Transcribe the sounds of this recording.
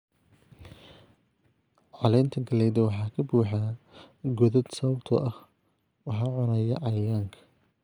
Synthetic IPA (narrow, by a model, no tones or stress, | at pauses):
ʕɑlɛjnt̪ʰɐɡɐlɛjd̪ɐwɑħɑːkʰɐbuːħaːɡɔðɐd̪sɐwwt̪ʰɔ̰ʔɐh | wɑħɑːʕʊnɐjɐ̰ʔɐaːŋkʰɐ̥